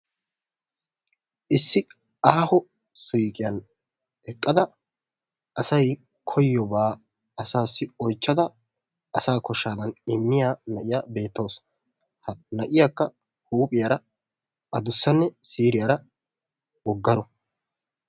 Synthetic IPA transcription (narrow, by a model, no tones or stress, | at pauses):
ʔɪsːɪ | aːhɔ | sʊjkʼɪjɐn | ɛkʼːɐd̪ɐ | ʔɐsɐj | kʰɔjːɔbaː | ɐsaːsːɪɔjt͡ʃːɐd̪ɐː | ɐsaːkɔʃːaːd̪ɐnɪmːɪjaːnɐʔɪjaːbe̞ːt̪ːoːs | hɐnɐʔɪjaːkːɐ | huːpʼɪjaːɾɐ | ʔɐd̪ʊsːɐnːɛsiːɾɪjaːɾɐ | wɔɡːɐɾɔ